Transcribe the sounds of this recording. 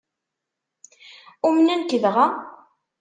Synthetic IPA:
umnənkəðʁa

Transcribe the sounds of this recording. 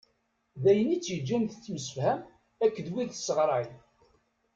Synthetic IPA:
ðæjənːit͡sːjəd͡ʒːænθət͡sːməsəfhæm | ækːðwiðsːəʁɾˤɑj

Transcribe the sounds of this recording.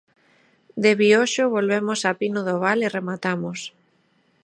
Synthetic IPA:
d̪eβioʃʊβolβemosapinʊðoβ̞aleremat̪amos

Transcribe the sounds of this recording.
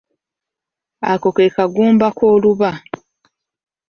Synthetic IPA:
a̰ko̞ke̞kaɡuːmbakoːluβa

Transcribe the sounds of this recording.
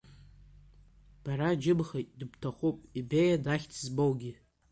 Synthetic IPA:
b̥aɾad͡ʒɪbχajtʼdɨbtʰaχʷupʼibejadaχʲtʰzbowɡʲi

